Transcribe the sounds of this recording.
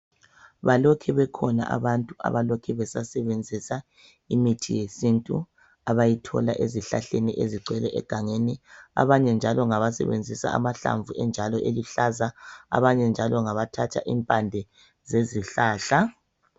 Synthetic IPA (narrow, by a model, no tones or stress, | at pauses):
βalɔkʰɛβɛkʰɔna̰ʔa̰βantʼuʔa̰βalokʰɛβɛsasɛβend͡zʱisa | imitʰijesintʼṵ | aβajitʰɔ̰laʔeziɬaɬeniʔeziɡ͡ǀwɛlɛʔɛ̰ɡ̥ʱaŋenia̰βaɲɛnd͡ʒʱalɔŋaβasɛ̰βḛnd͡zʱisa̰a̰maɬa̰ɱvʱuɛnd͡ʒʱalɔʔeliɬazaa̰βaɲɛnd͡ʒʱalɔŋaβatʰat͡ʃʰa̰ʔimpʼandʱɛ | zeziɬaːɬa